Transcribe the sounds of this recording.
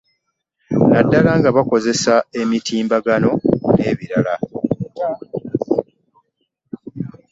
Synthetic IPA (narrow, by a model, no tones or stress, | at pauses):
nadːalaŋɡaβako̞ze̞sae̞mitiːmbaɡano̞ne̞ːβiɾala